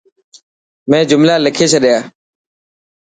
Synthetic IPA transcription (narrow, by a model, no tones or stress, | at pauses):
mẽːd͡ʒʊmlaːləkʰeːt͡ʃʰəɗɪjaː